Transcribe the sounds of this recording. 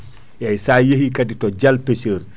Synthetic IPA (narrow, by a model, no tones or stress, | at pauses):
jɐjsaːjehikɐditɔɟɐlpesəːɾ